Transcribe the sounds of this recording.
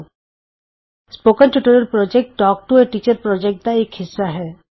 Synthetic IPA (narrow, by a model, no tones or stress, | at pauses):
spoːkənʈuʈəɾəɾpɾɔːd͡ʒek̚ʈ̚ɖɔːk̚ʈueʈiːt͡ʃəɾpɾɔːd͡ʒek̚ʈ̚d̪aeːkɦɪsːaɦɛː